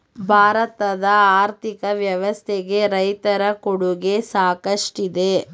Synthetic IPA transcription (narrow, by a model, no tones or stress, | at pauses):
bʱaːɾɐt̪ɐd̪ɐaːɾt̪ʰikɐʋjɐʋɐst̪ʰeɡe̞ɾɐjt̪ɐɾɐkoɽuɡe̞saːkɐʂʈid̪e